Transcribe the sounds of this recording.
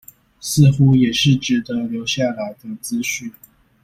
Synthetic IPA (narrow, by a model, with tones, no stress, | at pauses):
sɹ̩˥˩xu˥jɛ˨˩ʂɻ̩˥˩ʈ͡ʂɻ̩˨˩d̪ə˧˦ljo˧˥ʊɕja˥˩la˧˥ɪd̪ə˧˩t͡sɹ̩˥ɕy˥˩n